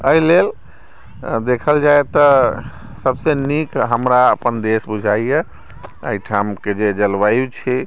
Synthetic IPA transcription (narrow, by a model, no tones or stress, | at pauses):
əilel | d̪ekʰəld͡ʒaet̪ə | səbsenikɦəmɾaəpənd̪esbud͡ʒʱaije | ə̰iʈʰamked͡ʒed͡ʒəlbajut͡ʃʰi